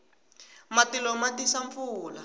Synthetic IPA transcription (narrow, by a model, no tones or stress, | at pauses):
matilɔmatisaɱfuːla